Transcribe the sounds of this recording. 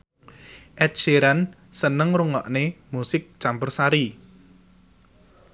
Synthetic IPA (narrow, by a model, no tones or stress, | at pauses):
ʔɛt̪̚t͡ʃeɾan | sənəŋruŋɔ̰ʔnemusɪk̚t͡ʃampərsaɾi